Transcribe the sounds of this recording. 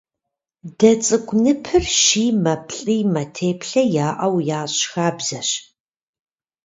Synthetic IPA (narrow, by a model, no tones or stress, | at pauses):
d̥ɐt͡sʼɨkʷʼnɨpʰɨrʃiːmɐpʰɬʼiːmɐtʰeːpʰɬɐjaːʔɐwjaːɕxaːbz̥ɐɕ